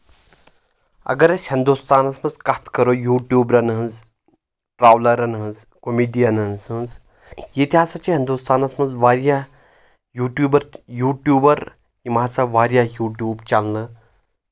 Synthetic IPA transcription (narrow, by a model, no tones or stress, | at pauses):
ɐ̰ɡɐɾɐsʲhind̪ust̪aːnɐsmɐzkɐt̪ʰkɐɾojuːʈjuːbɾɐnɦɨnz | ʈɾaːʋlɐɾɐnɦɐnz | komiːɖijɐnɐnsɨnz | jit̪ʲaːsɐt͡ʃiɦind̪ust̪aːnɐsmɐzʋaːɾja | juːʈjuːbɐɾjuːʈjuːbɐɾ | jimaːsɐʋaːɾjajuːʈjuːbt͡ʃɐlnɨ